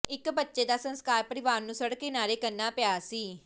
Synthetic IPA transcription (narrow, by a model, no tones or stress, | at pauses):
ɪkbətːʃeːd̪aːsə̃nskaːɾpəɾɪʋaːɾnũːsəɽkɪnaːɾeːkəɾnaːpɪjaːsiː